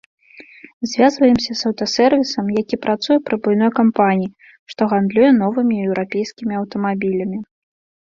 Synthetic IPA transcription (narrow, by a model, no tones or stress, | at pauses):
zʲvʲazvɐjɛmsʲɐzɐwt̪ɐsɛrvʲisɐmjakʲipɾat̪sujɛpɾɨbujn̪ɔjkampanʲiji | ʂt̪ɔɣand̪lʲujɛn̪ɔvɨmʲiɛwɾapʲejskʲimʲiɐwt̪ɐmabʲilʲɐmʲi